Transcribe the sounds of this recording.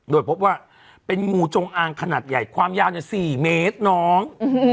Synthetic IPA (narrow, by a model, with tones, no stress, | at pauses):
doː˧jpʰo˦˥p̚waː˥˩ | pe˧nŋuː˨˧˩t͡ɕo˧ŋʔaː˧ŋkʰa˧naː˨˩t̪̚ja˨˩jkʰwaː˧mjaː˧wɲa˨˩siː˨˩meː˦˥t̪̚nɔː˦˥ŋ